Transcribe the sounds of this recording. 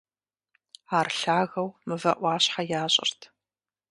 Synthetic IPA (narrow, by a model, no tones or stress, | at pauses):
aːrɬaːɣɐwmɨvɐʔʷɑːɕħajaːɕʼɪ̰rtʰ